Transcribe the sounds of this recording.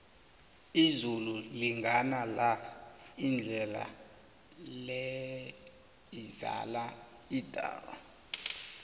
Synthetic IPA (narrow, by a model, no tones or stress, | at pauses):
izululiŋɡʱanala | ind͡ɮʱɛla̰ | lɛ | iza̰la | id̥ʱa̰ːwa̰